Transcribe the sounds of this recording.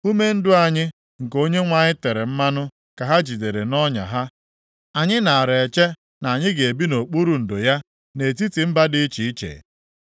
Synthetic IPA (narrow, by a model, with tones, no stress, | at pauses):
u˦me˦n̩˦dʊ˦a˨ɲɪ˦ | ŋ̩˨ko˦ɲe˦ŋʷa˦ɲɪ˦te˨ɾe˨m̩˦ma˦nʊ˦ | ka˨ɦa˦d͡ʒi˨de˨ɾe˨nɔ˦ɲa̰˨ɦa˦ | a˨ɲɪ˦na˨a˨ɾe˨t͡ʃe˦ | na˨a˨ɲɪ˦ɡe˨e˨bi˦no˨k͡pu˦ɾu˨n̩˨do˨ja˦ | ne˨t̬i˦ti˨m̩˦ba˦dɪ˦t͡ʃi˨i˦t͡ʃḛ˨